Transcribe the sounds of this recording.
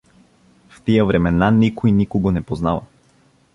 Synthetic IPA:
ft̪ijəvɾɛmɛnanikojnikoɡonɛpoznavɐ̰

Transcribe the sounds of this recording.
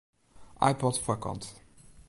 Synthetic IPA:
ʔa̰jpɔtfɛkɔ̰̃nt

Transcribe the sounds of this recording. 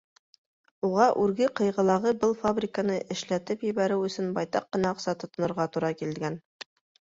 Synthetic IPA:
uʁɑʔʉɾɡɘqɤ̆jʁɤ̆lˠɑʁɤbɤlˠfabɾʲɪkanɤʔɘ̆ʃlæt̪ɘpjɘ̆βæɾɘwɵ̆sɵnbɑjt̪ɑq̚ːɤ̆nɑɤ̆qsɑt̪ŏt̪ŏnŏɾʁɑt̪uɾɑkilɡæn

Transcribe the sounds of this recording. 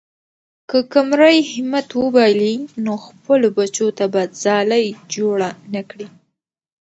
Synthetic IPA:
kəkamɾajhɪmat̪wəbɑjlinoxpəlobat͡ʃot̪abad̪zɑlajd͡ʒoɽanakɽi

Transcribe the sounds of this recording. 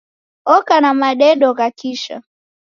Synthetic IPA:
ɔkanamaɗɛɗɔɣakiʃa̰

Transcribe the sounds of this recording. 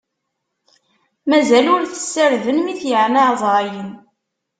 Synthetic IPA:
mæzælʊɾθə̥sːəɾðənmiθjəʕnaʕzˤɾɑjən

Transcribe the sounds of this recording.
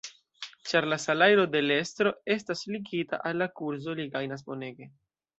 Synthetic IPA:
t͡ʃaɾlasalajɾo̞de̞le̞stɾo̞e̞stasliɡita̰ʔalːakuɾzo̞liɡajnas̬bo̞ne̞ɡe̞

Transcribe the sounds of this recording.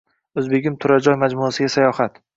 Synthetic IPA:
ɵzbeɡʲɪmt̪ʰʊɾad͡ʒɒjmad͡ʒmuasɪɡʲasajɒhat̪

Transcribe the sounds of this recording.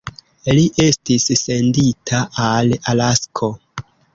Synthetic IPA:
liʔe̞stisse̞nditʰaʔalalaskʰo̞

